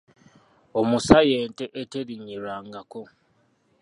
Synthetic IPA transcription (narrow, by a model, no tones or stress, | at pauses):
omusaje̞ːnteʔeteɾiɲiɾaːŋɡako̞